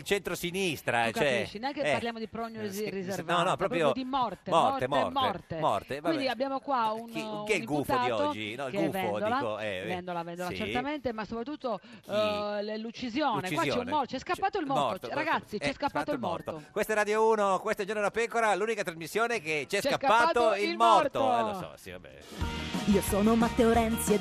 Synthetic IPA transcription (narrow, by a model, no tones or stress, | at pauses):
ilt͡ʃent̪ɾosinist̪ɾakɛiʃːineaŋkepaɾljaːmod̪ipɾoɲːozrizervnaɔnpɾɔːppɾjod̪imɔrtt̪eɔt̪emɔ̰tmɔrt̪emɔ̰rt̪evaind̪iabːjaːmokwaunkiɛimɡuft̪oaːiɔt̪od͡ʒːinɔkɡɛuvɛond̪oilaoɛ̰vɛnd̪olavɛnd̪olat͡ʃeɾt̪ament̪emasːopɾat̪ːut̪ːo | lut͡ʃːizjoːnekt͡ʃizwaot͡ʃɛnummɔt͡ʃɛskaːaːt̪oilmɔrt̪oɾaɡat̪sːit͡ʃɛskapːat̪oilmɔ̰rt̪okwest̪ɛɾad̪jouːnokwest̪ɛd͡ʒoɾnonapɛkoɾaluːnikat̪ɾazmisːjoːneket͡ʃiɛst͡ʃkapkaːaːt̪oililmɔrt̪ossɔ̰sḭva̰bɛ̰ | iːosoːnomat̪ːeoɾɛnt̪sje